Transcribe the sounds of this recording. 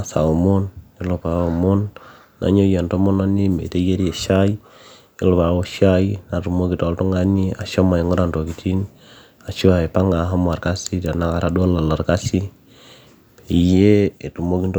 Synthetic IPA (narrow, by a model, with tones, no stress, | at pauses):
sa̰˨o˨mo˦ni˦lo˨pa˨o˨mo˦nː | a̰˨ɲo˦je˨nto˦mo˦na˦ni˦mḛ˨te˦je˦ɾe˨ʃa˦i˦ | e˦lo˨pa˨wo˦ʃa˦ina˨tu˨mo˦ki˨tɔ˨lto˦ŋa˦ni˦a̰˨ʃo˦ma˨i˨ŋo˦ɾa˦nto˨ki˨tʰi˦n | a˨t͡ʃu˦a˨e˨pa˦ŋa˨˦ɦa˦m˨a˨ɾka˦si˦ta˨na˦ka˨ɾa˨do˦la˨la˨ɾka˦si˦ | i˨je˦e˨tu˨mo˦ki˦nt